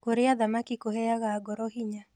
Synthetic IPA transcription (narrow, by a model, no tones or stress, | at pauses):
koɾɪaðamakikohɛaɣaːɡɔɾɔhiɲa